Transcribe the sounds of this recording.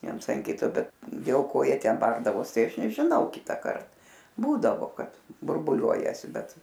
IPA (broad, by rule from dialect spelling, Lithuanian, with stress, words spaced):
ˈʋʲiɛns ɐn ˈkʲɪtoː ˈbʲɛt dʲeːlˠ ˈkoː ˈjiɛ ˈtʲɛn ˈbɐrdɐʋoːs ˈtɐɪ ˈɐʃ nʲɛʒʲɪˈnɐʊ ˈkʲɪtɑːkɐrt ˈbuːdɐʋoː ˈkɐt bʊrˈbʊlʲuɔjɛsʲɪ ˈbʲɛt